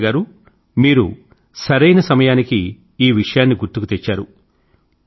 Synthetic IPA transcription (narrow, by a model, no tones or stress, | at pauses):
ɡaːɾu | miːɾṵ | sɐɾɐjnɐsɐmɐjaːnikiː | ʋiʂɐjaːnːiɡuɾt̪ukut̪et͡ʃːaːɾu